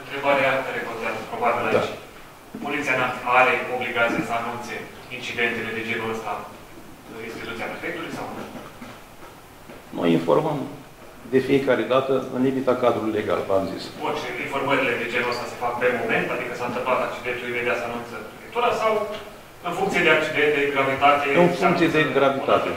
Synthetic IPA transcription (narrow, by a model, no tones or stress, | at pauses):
ɨnt̪ɾe̞baɾeat̪əɾekont̪eazəpɾo̞babilat͡ʃʲ | po̞lit̪sianat̪iaɾeo̞bliɡat̪sijesəanunt̪se̞ | int͡ʃid̪e̞nt̪ele̞d̪ed͡ʒeɾuəst̪a | inst̪it̪ut̪siapɾefek̚t̪uluijsawn | no̞̰jinfo̞̰rməm | d̪e̞fije̞kaɾe̞d̪at̪əɨ̰nlimit̪akad̪ɾulujle̞ɡa̰lvamzḭsot͡ʃeinfo̞rməɾile̞d̪ed͡ʒenuəst̪ase̞fak̚pe̞mo̞me̞nt̪ad̪ikəsawɨnt̪əmp̪at̪ak̚t͡ʃid̪e̞nt̪ulujved̪easəanunt̪səpɾefekt̪uɾəsaw | ɨnfuŋkt̪sijed̪eak̚t͡ʃid̪ent̪̚d̪eɡɾavit̪at̪eɨnfuŋkt̪sijed̪eɡɾavit̪at̪e